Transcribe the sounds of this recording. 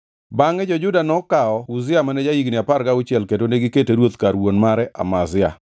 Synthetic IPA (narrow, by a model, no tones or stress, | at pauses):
baŋɛd͡ʒɔd͡ʒʊdanɔkaɔʊzɪamanɛd͡ʒajiɡnɪapaɾɡaʊt͡ʃjɛlkedoneɡɪketeɾwot̪kaɾwonmaɾɛʔa̰mazɪa̰